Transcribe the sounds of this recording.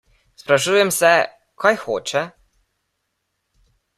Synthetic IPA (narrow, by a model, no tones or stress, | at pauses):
spɾaʃujɛmsɛ | kajxoːt͡ʃɛ